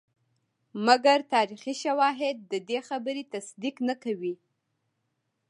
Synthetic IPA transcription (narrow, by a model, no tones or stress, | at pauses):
maɡaɾt̪ɑɾixiʃawɑɦɪd̪̚ːəd̪exabəɾet̪asd̪iknakawi